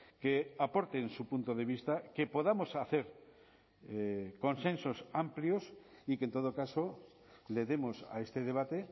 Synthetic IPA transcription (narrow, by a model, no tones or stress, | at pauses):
keapoɾt̪ensupunt̪oðeβ̞ist̪akepoðamosaθeɾ | ekonsẽnsosampljosikent̪oð̞okaso | leðemosa̰est̪eðeβ̞at̪e